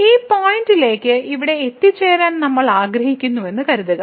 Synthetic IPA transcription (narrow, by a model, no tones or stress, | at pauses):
iːpaːjndile̞ːkʲːɨiʋiɽe̞et̪ːit͡ɕːeːɾaːnnɐmːɐɭaːɡɾɐhikʲːunːuʋe̞nːɨkɐɾuðɐɣɐ